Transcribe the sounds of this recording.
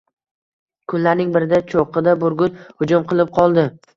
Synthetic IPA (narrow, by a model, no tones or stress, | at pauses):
kʰʊnlaɾnɪŋbɪɾɪd̪at͡ʃʰoqɨd̪abʊɾɡʲʊnhʊd͡ʒʊmqʰɨlˠɪp̚qʰɒlˠd̪ɪ